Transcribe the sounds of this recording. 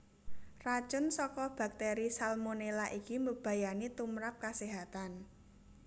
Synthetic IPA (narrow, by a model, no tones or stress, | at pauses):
rḁt͡ʃʊnsɔkɔb̥a̤k̚t̪eɾisalmonelaʔikiməb̥a̤janit̪umɾap̚kaseɦat̪an